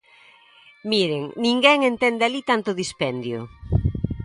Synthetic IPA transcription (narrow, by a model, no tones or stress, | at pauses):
miɾeŋnĩŋɡɛŋent̪ɛnd̪ealit̪ant̪ʊðispɛnd̪jo̰